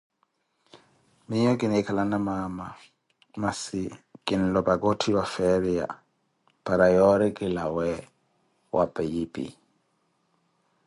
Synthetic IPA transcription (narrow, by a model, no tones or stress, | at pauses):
mɪɲɔk̬ʼɪnɛkʰalanamama | masɪkʼɪn̩lɔbaɡɔtʰiwafɛɾija̰ | pʼaɾajɔɾɪkʼɪlawɛ | wʔa̰pʼɛjipʼḭ